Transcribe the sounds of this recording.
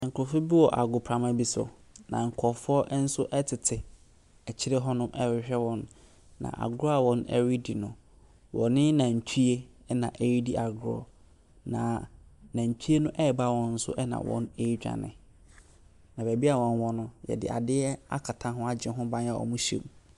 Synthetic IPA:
ŋ̩˨kʰʊ˨fʊ˦bi˦wɔ˨ʔa̰˨ɡʊ˨pʰɾa˨mã˦bi˦sʊ̰˨nã̰˨ŋ̩˨kʰɔ˨fʊ˦ɔ˦ʔn̩˦sʊ˦ʔɛ˦tʰɪ˨tʰɪ˨ | ɛ˨t͡ɕʰɪ˦ɾɛ˦ɦɔ˦nʊ̃˦mʔɛ˦ɪ˨ɕᶣɛ˦wɔ̃˨nː | ã̰˨ʔa̰˨ɡʊ˦ɾɔ˦a˨wɔ̃˨nɛ̰˦ɥi˦di˨nʊ̃˨ | wʔɔ˨nɪ̃˦nã˨ɲ̩˨tʰu˦e˦ | ɛ˦nã˨ʔe˦ɥi˦di˦ʔa˨ɡɾɔ˨ | nã̰˨nã˨ɲ̩˨tʰi˦e˦nʊ̃˦ʔɛ˦˨ba˦wɔ̃˨n̩˦sʊ̰˦ʔɛ˦nã̰˨wɔ̰̃˦ne˦i˦d͡ʑᶣa̰˨nɪ̰̃˨ | nã˨bæ˨bi˦a˨wɔ̃˨nwɔ̃˦nʊ̃˦jɛ̰˨dɪ̰˨a̰˨dɪ˦ɛ˦a̰˦kʰa˨tʰã˦ɦʊ̃˦a˦d͡ʑɪ̃˨ɦʊ̃˦bã˦n˦a˨ɔ̰˨mũ˦ɕḛ̃˦˨m

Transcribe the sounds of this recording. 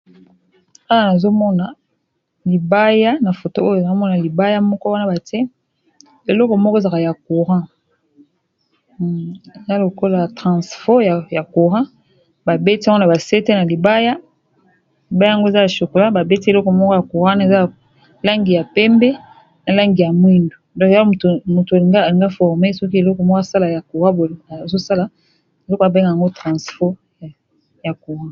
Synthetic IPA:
a˦wa˨na˨zo˦mɔ˦na˨ | li˨ba˦ja˦na˨fo˨to˦o˦jo˨a˨o˦mɔ˦na˨li˨ba˦ja˦mɔ˦kɔ˦wa˦na˦ba˨tɛ˦ | e˨lɔ˦kɔ˨m˦kɔ˦e˨za˨ka˨ja˨ku˨ʁã˦ | e˨za˦lo˨ko˦la˦˨tʁã˨sfɔ˦ja˨ja˨ku˨ʁã˦ | ba˨be˦ti˦a˦ŋɡo˦na˨ba˨se˦te˦na˨li˨ba˦ja˦ | li˨ba˦ja˦ja˨ŋɡo˦e˨za˦ja˨ʃo˨ko˨la˦ba˨be˦ti˦e˨lɔ˦kɔ˨m˦kɔ˦ja˨ku˨ʁã˦ne˨za˦˨ | la˦ŋɡi˨ja˨pɛ˦mbɛ˦ | na˨la˦ŋɡi˨ja˨mwi˦ndo˨dɔ̃˦ktmo˨to˨a˨li˨ŋɡa˦a˨li˨ŋɡa˦fɔ˨ʁme˦sɔ˦k̬i˦e˨lɔ˦kɔ˨mɔ˦ka˦˨sa˦la˨ja˨ko˨ʁã˦bo˨zo˦sa˦la˨ | e˨lɔ˦kɔ˨a˨be˦ŋɡa˨ŋɡo˦tʁã˨sfɔ˦˨ | ja˨ku˨ʁã˦

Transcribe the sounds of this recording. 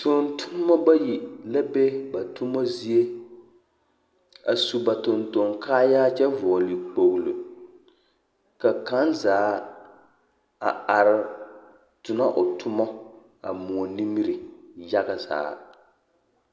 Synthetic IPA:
to˨n˦tʰʊ˦n˦mɔ˦ba˦ji˨la˦be˦ba˨tʊ˦mɔ˦zi˦e˦ | a̰˨su˨ba˨tʊ˨nto˨ŋkʰaː˦jaː˦t͡ʃɛ˦vɔː˨li˨k͡po˨ɣlṵ˨ | ka˨ka˦nzaː˨˦ | a̰˨a˨ɾɪ˨ | tʊ˨na˦ʔʊ˨tʰʊ˦mɔ˦ | a̰˨mu˨ɔ˨ni˦mi˦ɾi˨ja˦ɡa˨za̰ː˨˦

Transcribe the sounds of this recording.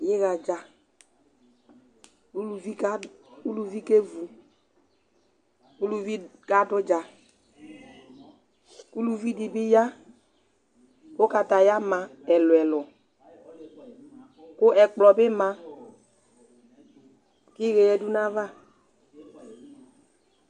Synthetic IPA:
jɪ˦ɣa˨d͡ʒa˨ | u˦lu˨vi˦ka˦u˦lu˨vi˦ke˦vu˨ | ku˦lu˨vi˦ka˦dʊ˦d͡ʒa˨ | ku˦lu˦vi˦di˨bɪ˦ja˦ | ko˦ka˨ta˨ja˦mã˨ɛ˨lʊ˨ɛ˨lʊ˨ | kʊ˦ɛ˨k͡plɔ˨bɪ˦mã˨ | kɪ˦ɣe˨jɛ˨du˦nã˦va˦˨

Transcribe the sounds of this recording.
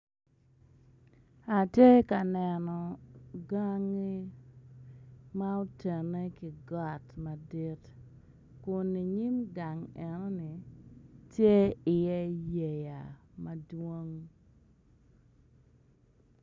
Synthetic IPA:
a˨tje˦ka˨nɛ˨nɔ˨ɡa˦ŋi˦ | ma˦o˦te˨ne˦kɪ˨ɡɔ˦˨tmɐ˨di˦t | kʊ˨ni˨ɲi˦mɡa˨ŋɛ˨nɔ˦ni˨ | tje˦ɪ˨jɛ˦je˨ja̰˨mɐ˦dwo˦ŋ

